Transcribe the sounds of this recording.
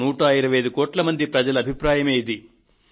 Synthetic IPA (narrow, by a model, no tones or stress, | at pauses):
uːʈaːjiɾɐʋɐjɐd̪ukoːʈlɐmɐnd̪ipɾɐd͡ʒɐlɐːbʱipɾaːjɐmeːd̪i